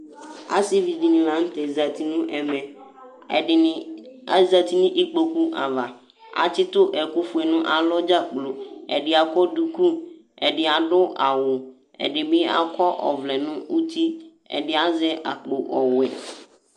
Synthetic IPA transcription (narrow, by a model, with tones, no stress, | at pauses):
a̰˦si˦vi˨di˨nĩ˨la˨˦ŋ̩˦t̪e˨za˨t̪i˨nũ˦ʔɛ˨mɛ̃˨ | a˨za˨t̪i˦nĩ˦ʔi˦k͡po˨ku˦ʔa̰˨va˨ | a̰˨t͡ʃɪ˦t̪ʊ˦ʔɛ˨ku˦fu˦ɛ˨nũ˦ʔa˨lɔ˦d͡ʒa˦k͡plo˨ɛ̰˨ɖɪ˨a˨kɔ˦du˦ku˦ | ɛ˨ɖɪ˨a˨ɖʊ˦ʔa˨wʊ˨ | ɛ̰˨ɖɪ˨bɪ˦a̰˦kɔ˦ʔɔ̰˨vlɛ˨nũ˦u˦t̪i˦ | ɛ̰˨ɖɪ˨a˦zɛ˦ʔa̰˨k͡po˨ʔɔ˨wɛ˨